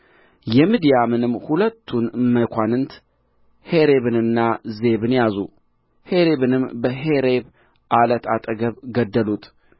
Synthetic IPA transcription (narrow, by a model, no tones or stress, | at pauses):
jɛmid̪ijamɨnɨmːhulət̪ʰːunməkʷʰanɨnt̪ | he̞ɾeβɨnɨnːaze̞βɨnjazṵ | he̞ɾe̞βɨnɨmbəɦe̞ɾe̞β | ʔalət̪ʰʼat̪ʼəɡəβɡəd̪ːəlut̪